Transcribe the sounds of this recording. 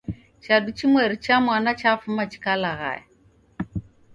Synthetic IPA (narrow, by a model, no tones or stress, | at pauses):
t͡ʃaɗut͡ʃimwɛɾit͡ʃamwanat͡ʃafumat͡ʃi̥kalaɣa̰ɛ̰